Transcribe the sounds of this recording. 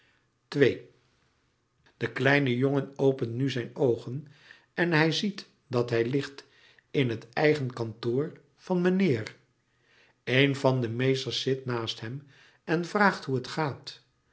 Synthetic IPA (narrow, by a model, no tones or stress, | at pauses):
tʋej | d̥əklɛjnəjoŋənowpəntnyzɛjnowχən | ɛnɦɛjzit | dɑtɦɛjlɪχt | ɪnɦətɛjχənkɑntʊːɹ | v̥ɑnmənɪːr | ejnvɑndəmejstəɹsɪtnaːstɦɛm | ɛnvraːχtɦuətχaːt